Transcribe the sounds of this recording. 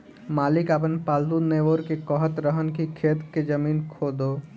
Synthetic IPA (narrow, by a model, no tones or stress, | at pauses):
maːlɪkapənpaːlt̪uneʋoɾkekɔɦət̪ɾəɦənkikʰeːt̪ked͡ʒəmiːnkʰoːd̪oː